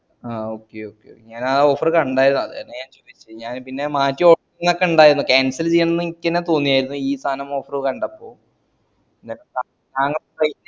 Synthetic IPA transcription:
aːoːkːeoːkːḛo̰kːeɲaːnao̞ːfɐrɨkɐɳɖaːjiɾunːuɐ̰ðɨḛnːeɲaːnt͡ɕoːdit͡ɕːɨɲaːnpinːe̞maːtːioːnːokːeuɳɖaːjiɾunːukaːnsɐlt͡ɕejːɐɳɐnːɨikʲːɐnet̪oːnːijaːjiɾunːuiːst̪ʰaːnɐmo̞ːfɐrɨkɐɳɖɐpːo̞ː | ɲːaŋɐa | naːŋːɐɭɐj

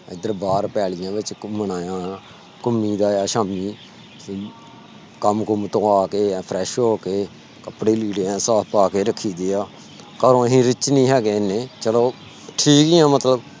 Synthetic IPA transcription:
ɪd̪əɾbaːɾpɛːlɪjãːbɪt͡ʃmənaːjãː | kʊmːiːd̪aːjaːʃaːmiː | kəmkʊmt̪õːaːkeːpʰɾɛːʃɦoːkeː | kəpɽiːliːɖeːãːsaːpaːkeːɾəkʰːiːd̪eːaː | kəɾõːɦĩːɾɪt͡ʃnĩːɦɛːɡeːneːt͡ʃəloː | ʈʰiːkɪjãːmət̪ləb

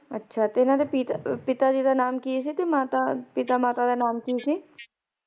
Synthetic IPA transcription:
ətːʃʰaːt̪eɪnãːd̪epit̪apɪt̪aːd͡ʒiːd̪aːnaːmkɪis̬it̪emaːt̪aːpɪt̪aːmaːt̪aːd̪aːnaːmkisiː

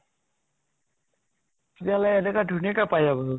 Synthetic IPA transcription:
kitialajɛnɛkadʱunikapajabɔ

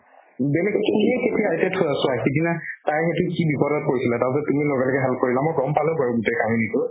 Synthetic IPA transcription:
bɛlɛkːiɦɛketijatɛtʰoasʊakidinataɹxetʊkibipɔɾɔt̚koɹisilataɹpɛsɔtumilɔɡalɔkɛɦɛlkoɹilamojɡɔmpalɛpaɹʊɡutekʰaminikʊ

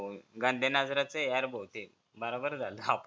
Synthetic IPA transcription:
ɡãnd̪ʱenad͡zɾat͡sejaɾbʱowt̪e | bəɾobəɾd͡zʱaləap

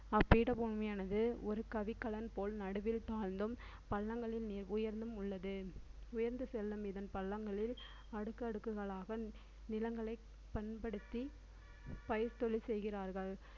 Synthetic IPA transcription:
ɐpːiːɽɐpɔɳmɐjaːnɐðɯɔɾɯkɐʋɪkːɐɭɐnpoːlnɐɽɯʋɪlt̪aːɾnd̪ɯm | pɐɭːɐŋɡɐɭɪlnɪɾʊjɐɾnd̪ɯmʊɭːɐðɯʊjɐɾnd̪ɯsɛlːɯmɪðɐnpɐɭːɐŋɡɐɭɪl | ɐɽɯkːɐɐɽɯkːɯɣɐɭaːɣɐ | nɪlɐŋɡɐɭɐɪ | pɐnpɐɽɯt̪ːi | pɐjɐɾt̪ɔɭisɛjɣɪraːɾɣɐɭ

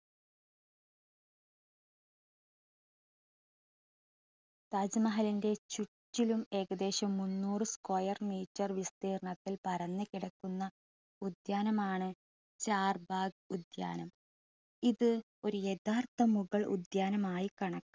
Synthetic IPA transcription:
t̪ɐd͡ʑmɐɦɐlinde̞t͡ɕutːilume̞ːɣɐd̪e̞ːɕɐmːunːuːrɨskojɐrmiːtːɐrʋist̪iːrɳɐt̪ːilpɐɾɐnːɨkiɽɐkːunːɐ | ud̪jaːnɐmaːɳɨ | t͡ɕaːrbaːɡ̚ud̪ja̰ːnɐm | iðɨ | o̞ɾuje̞t̪ʰaːrt̪ɐmuɣɐɭṵd̪jaːnɐmaːjikɐɳɐkːɨ̥

